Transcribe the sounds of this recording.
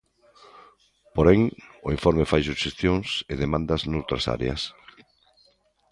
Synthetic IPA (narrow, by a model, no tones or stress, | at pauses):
poɾɛŋoiɱfɔɾmefajsuʃest̪joŋseðemãnd̪ɐznowt̪ɾɐsa̰ɾḛɐ̰s